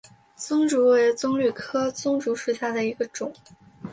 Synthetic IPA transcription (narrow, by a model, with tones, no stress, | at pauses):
t͡sʊ˥ŋʈ͡ʂu˧˥we˧˥ɪt͡sʊ˥ŋly˥˨˩kʰɤ˥t͡sʊ˥ŋʈ͡ʂu˧˥ʂɻ̩˥˩ɕja˥˩d̪ə˩i˧˥ɡə˧ʈ͡ʂʊ˨˩˦ŋ